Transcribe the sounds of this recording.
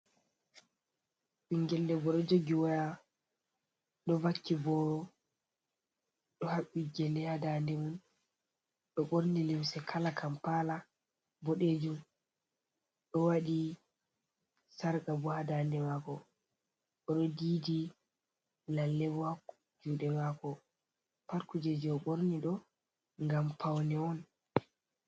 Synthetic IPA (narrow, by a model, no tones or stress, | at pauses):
ʔiŋɡɛldɛbɔɗɔd͡ʒoɡiwaja | ɗɔvakːibɔɾɔ | ɗɔhaɓːid͡ʒɛlːɛhadandɛmun | ɗɔɓoɾnilimsɛkʰalakʰampala | bɔɗed͡ʒum | ɗɔwaɗi | saɾɡabɔhadandɛmakɔ | ɔɗɔdiːdi | lalːɛba | d͡ʒuːɗɛmakɔ | paɾkud͡ʒed͡ʒɔɓoɾniɗɔ | ŋɡampawnɛɔn